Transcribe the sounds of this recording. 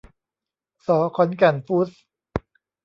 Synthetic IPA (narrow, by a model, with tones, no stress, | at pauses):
sɔː˨˩˦kʰɔ˨˦nka˧˩nfu˦˥s